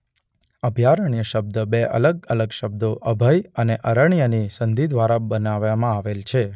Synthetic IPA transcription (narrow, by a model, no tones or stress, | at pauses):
əbʱjaɾəɳjəʃəb̚d̪əbeʔə̰ləɡələɡʃəb̚d̪oʔəbʱəjəneʔəɾəɳjənisənd̪ʱid̪ʱʋaɾabənaʋamãaʋelt͡ʃʰe